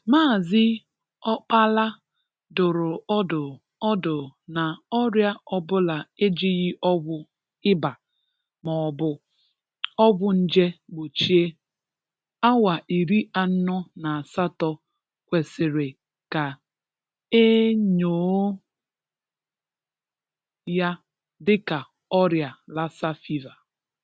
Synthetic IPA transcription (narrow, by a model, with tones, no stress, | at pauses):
maː˦˨zɪ˦ | ɔ˦k͡pa˦la˦ | dʊ˨ɾʊ˨˦dʊ˨ | ɔ˦dʊ˨na˨ɔ˦ɾja˦ɔ˦bʊ˦la˨e˦d͡ʒi˦ɣɪ˦ʔɔ˦ɡʷʊ˦ | ɪ˦ba˨ | mɔ˨bʊ˨ | ɔ˦ɡʷʊ˦n̩˦d͡ʒe˦ɡ͡bo˨t͡ʃi˦e˦ | a˦wa˨ʔi˨ɾi˦ʔa˨n̩˦nʊ˦na˨a˨sa˦tɔ˦ | kʷe˨sɪ˨ɾɪ˨ | ka˨ | e˦ɲoː˨˦ | ja˦ | dɪ˦ka˨ | ɔ˦ɾja˨la˦sa˦fi˦va˨